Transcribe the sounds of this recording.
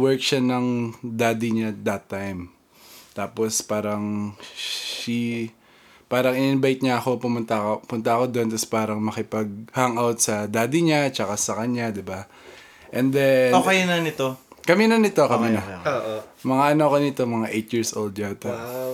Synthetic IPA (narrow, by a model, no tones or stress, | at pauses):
wɛɹk̚ʃanɐŋd̪aːd̪iɲat̪̚d̪ɐt̪ːajm | t̪aːpospaːɾɐŋ | ʃi | paːɾɐŋɪnɪnbajt̪̚ɲaʔɐko̞pʊmʊnt̪ɐpʊnt̪ɐʔɐko̞d̪o̞nt̪ɐspaːɾɐŋmɐkɪpɐɡ̚haŋʔawt̪̚sɐd̪aːd̪iɲat͡ʃɐkasɐkɐɲad̪ɪba | ʔɛnd̪ɛokɐinɐnɪt̪okɐminɐnɪt̪o̞kɐminɐoʔomɐŋaʔɐnokonɪt̪o̞mɐŋaʔejt̪jiɹsʔowld̪̚jawt̪ɛ